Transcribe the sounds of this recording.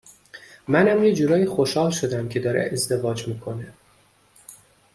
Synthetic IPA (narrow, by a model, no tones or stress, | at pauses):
mænæmjed͡ʒuːɾɒːjixoʃhɒːlʃo̞d̪æmcʰe̞d̪ɒːɾḛʔezd̪e̞vɒːd͡ʒmiːkʰo̞ne